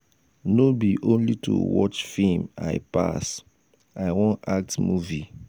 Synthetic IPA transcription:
nobiʔõnlitʰṵwɔ̰t͡ʃfĩma̰ɪpa̰s | aɪwõnak̚tmuvi

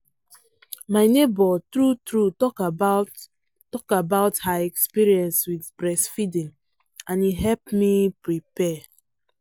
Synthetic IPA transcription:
maɪnebɔtɹutɹutɔkba | tɔkabaʊthaɛkspiɹiɛ̃nswidbɹɛsfidĩn | ãniɦɛlpmipɹipɛ

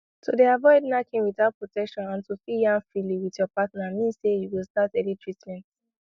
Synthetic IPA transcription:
todeavɔɪdnakʰẽmwiθaʊt̚pɹotɛkʃɔ̃nãntufijãnfɹiliwiθjɔpatnamĩnsejuwilˠstatɛlitʰɹitmɛ̃nt

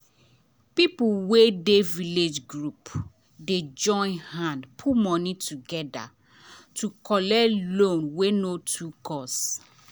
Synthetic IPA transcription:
pipuwedeviled͡ʒɡɹup | ded͡ʒɔ̃ɪ̃nhãndpʰumɔnitʰuɡɛda̰ | tʰukʰɔlɛlõnwenotʰukʰɔs

